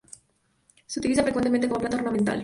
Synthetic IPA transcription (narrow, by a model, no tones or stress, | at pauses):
seut̪ilisafɾekwent̪emẽnt̪ekomoplat̪aornamẽnt̪a̰l